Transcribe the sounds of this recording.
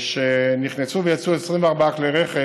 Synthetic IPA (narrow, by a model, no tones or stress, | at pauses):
ʃeniχnesuvejat͡suesʁimveaʁbaakleʁeχe